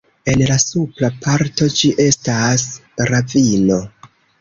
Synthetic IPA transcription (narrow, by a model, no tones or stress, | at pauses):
e̞nlasuplapʰaɾto̞d͡ʒiʔe̞stasɾavino̞